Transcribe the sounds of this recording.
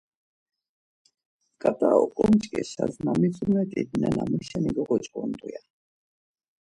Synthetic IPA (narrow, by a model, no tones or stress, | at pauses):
kʼat̪ʼaɔkʼɔmt͡ʃʼkʼɛsazmamit͡sʼumɛt̪ʼid̪nanamɛʃɛniɡɔɡɔt͡ʃʼkʼɔnd̪ʼuja